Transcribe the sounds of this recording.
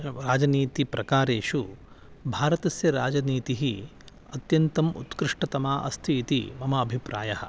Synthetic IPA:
ɾaːd͡ʒɐniːt̪ipɾɐkaːɾeːʃu | bʱaːɾɐt̪ɐsjɐɾaːd͡ʒɐniːt̪iɦi | ɐt̪jɐnt̪ɐmṵt̪kɾɪʂʈɐt̪ɐmaːʔɐ̰st̪ʰiːt̪imɐmɐːbʱipɾa̰ːjɐɦɐ̰̆

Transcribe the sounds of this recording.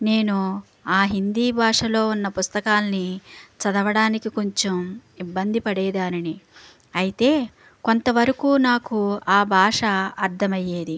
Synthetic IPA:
ne̞ːnu | aːɦind̪iːbʱaːʂɐlo̞ːunːɐpust̪ɐkaːlɐnit͡ʃɐd̪ɐʋɐɽaːnikikoɲt͡ʃomibːɐnd̪ipɐɽɛːd̪aːnini | ɐjit̪e̞ː | ko̞nt̪ɐʋɐɾɐkuːnaːkuaːbʱaːʂɐɐɾd̪ʰʱɐmɐjːeːd̪i

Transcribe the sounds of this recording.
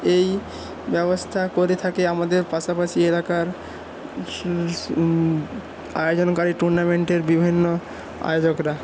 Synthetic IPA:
ej | bɛbost̪ʰakoɾet̪ʰakeamad̪eɾpaʃapaʃielakaɾ | ajod͡ʑonkaɾiʈuɾnameɳʈeɾbibʱinːo | a̰jod͡ʑokɾa

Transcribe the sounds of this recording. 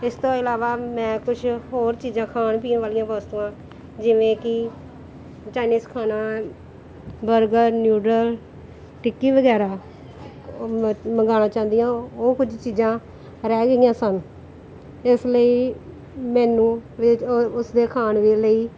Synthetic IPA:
ɪst̪õːɪlaːʋaːmɛ̃ːkʊt͡ʃʰɦoːɾt͡ʃiːd͡ʒãːkʰaːɳp̬iːãːʋaːlijãːpəst̪uːãː | d͡ʒɪʋẽːkɪ | t͡ʃaːɪniːskʰaːnaː | bəɾɡəɾnjuːɖɾəl | ʈɪkːiːʋəɡɛːɾaː | məŋɡaːnaːt͡ʃãːnd̪ijãːoːkʊd͡ʒt͡ʃiːzãː | ɾɛːɡəiːãːsən | ɪsləiː | mɛːnũːʋɪʊsd̪eːkʰaːnʋiləiː

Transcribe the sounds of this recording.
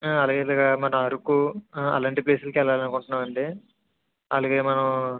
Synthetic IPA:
ɐlaːɡelaːɡɐmɐnɐmɐɾukuɐ̰lɐɳʈipleːsulukɛlɐʋaːlɐnukuɳʈunːaːmɐɳɖi | ɐlaːɡeːmɐnɐm

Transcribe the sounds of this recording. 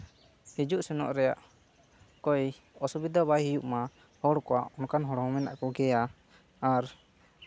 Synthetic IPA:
hid͡ʒuʔsɛnɔ̰ʔɾɛjaʔ | kɔj | ɔsubid̪abajɦijuʔma | hɔɽkɔwaʔɔnkanɦɔɽhɔmɛna̰ʔkɔɡɛjaː | ɾ

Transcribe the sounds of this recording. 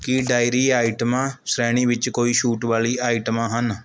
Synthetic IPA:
kɪɖaːɪɾiːaːɪʈmãːsɾɛːɽ̃iːʋɪt͡ʃkoːiːʃuːʈʋaːliːaːɪʈmãːɦən

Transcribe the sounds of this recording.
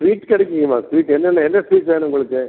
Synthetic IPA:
sʋiːʈkɛɽɛkʲːɯŋɡɐmaːsʋiːʈɛnːɐnːɐɛnːɐsʋiːʈʋeːnʊŋɡɐɭɯkːɯ

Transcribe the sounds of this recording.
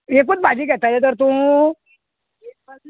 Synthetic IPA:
ek̬ut͡s̪̚bad͡ʑiːɡɛt̪alet̪̬əɾt̪ũ

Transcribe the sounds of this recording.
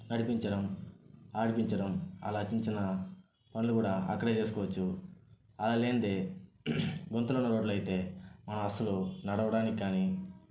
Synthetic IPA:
nɐɽipiɲt͡ʃɐɽɐmaːɽipiɲt͡ʃɐɽɐmɐ̰laːt͡ʃiɲt͡ʃinɐ | pɐnulukuːɽaːɐ̰kːɐɽe̞ːt͡ʃeːs̬ukɔːʋɐt͡ʃːu | ɐlaːle̞ːnd̪eː | ɡont̪ulunːɐɾo̞ːɖluɐjit̪e̞ːmɐnɐmɐsɐlunɐɽɐʋɐɽaːnikikːaːni

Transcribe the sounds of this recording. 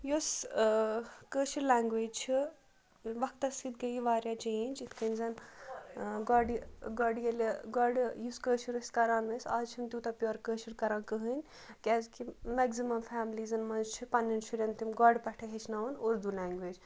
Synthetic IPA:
jos | kəːʃiɾlaːŋɡʋeːd͡ʒt͡ʃʰi | ʋɐk̚t̪ɐsit̪ɡɐjiʋaːɾjad͡ʒent͡ʃit̪ʰkɐnzɐn | ɡɔɖɡɔɖijeleɡɔɖjuskəːʃuɾɐskɐɾaːnmesa̰ːzt͡ʃʰimt̪ʲut̪ɐpʲjoːɾkəːʃuɾkɐɾãːnkəɦɨnʲ | kʲɛzkimɛɡzimɐmfʰaːmlizɐnmɐnzt͡ʃʰipɐnːinʃuɾɐnt̪imɡɔɖpɐʈʰɐɦet͡ʃʰnaːʋɐnoːɾd̪ulaːŋɡʋeːd͡ʒ

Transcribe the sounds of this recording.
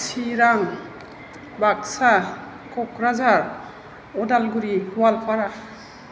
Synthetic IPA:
siɾaŋ | baksa | kɔkɾazaɹ | ɔdalɡuɾihuwalpʰaɾa

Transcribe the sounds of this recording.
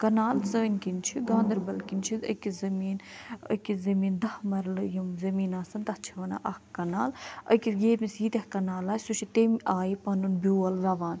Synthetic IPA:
kɐnaːlsəːnkint͡ʃʰiɡãːnd̪ɐɾbɐlkinʲt͡ʃʰiə̰kʲizɐmiːnə̰kizɐmiːnd̪ɐhmɐɾlɨjimzɐmiːnaːsɐnt̪ɐht͡ʃʰiʋɐna̰ʔɐhkɐnaːlɐ̰kʲijeːmʲisiːt̪ʲɐhkɐnaːlaːsut͡ʃʰit̪emʔaːjipɐnunbʲuːɐlʋʲɐʋaːn

